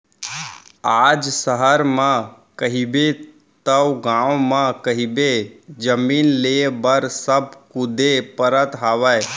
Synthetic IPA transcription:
aːd͡ʒsəɦəɾmã | kəɦibe | t̪əwɡãːõmãkəɦibed͡ʒəmiːnleːbəɾsəb̚kʊd̪ʱepəɾət̪ɦaːʋaj

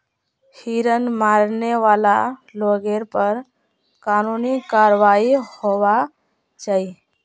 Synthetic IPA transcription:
hiɾənmaɾneʋalaloɡeɾpəɾ | kanunikaɾʋaihoʋa | t͡ʃai

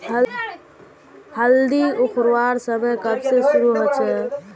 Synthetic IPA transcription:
həld̪iukʰɾwaɾsəməkəbsesuɾuɦot͡ʃʰɛ

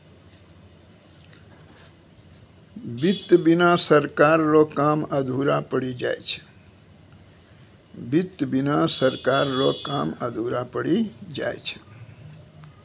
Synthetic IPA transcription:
bit̪binasəɾkaɾːɔkaməd̪ʱuɾapəɽid͡ʒa̰jt͡ʃʰə̥ | bit̪binasəɾkaɾːɔkaməd̪ʱuɾapəɽid͡ʒa̰jt͡ʃʰə̥

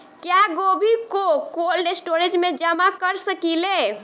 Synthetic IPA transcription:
kjaɡobʱikokolɖesʈoɾed͡ʒmed͡ʒəmakəɾsəkile

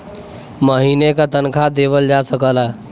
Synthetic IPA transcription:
məɦinekat̪ənkʰad̪eʋəld͡ʒasəkəla

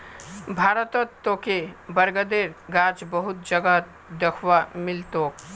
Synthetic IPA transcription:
bʱaːɾət̪ət̪ːokebəɾɡəd̪eːɾɡaːd͡ʒbəɦʊt̪̚d͡ʒəɡət̪ | d̪əkʰʋamɪlt̪oːk

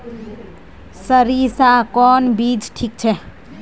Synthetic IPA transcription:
səɾisakɔnbid͡ʒʈʰik̚t͡ʃʰɛ

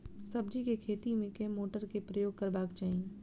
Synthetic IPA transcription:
sɐbd͡ʒikekʰeːt̪imẽkemoːʈəɾkepɾəjoːɡ̚kɐɾbaːkt͡ʃaːɦĩː

